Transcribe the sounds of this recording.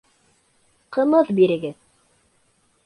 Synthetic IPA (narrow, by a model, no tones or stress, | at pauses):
qɤ̆mɤðbiɾɘ̆ɡɘð